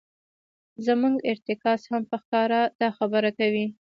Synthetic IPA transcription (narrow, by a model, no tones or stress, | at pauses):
zəmuŋɡɪɾt̪ɪkɑshampəxkɑɾad̪ɑxabəɾakawi